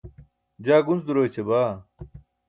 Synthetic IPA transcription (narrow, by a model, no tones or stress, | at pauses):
d͡ʑaːɡunsd̪uɾoːjt͡ɕʰebaː